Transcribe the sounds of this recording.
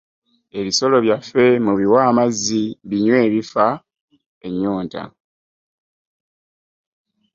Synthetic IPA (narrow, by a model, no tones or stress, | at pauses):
e̞βiso̞lo̞βjafe̞muβiwaːmaziβiɲwe̞ːβifa | e̞ɲːoːnta̰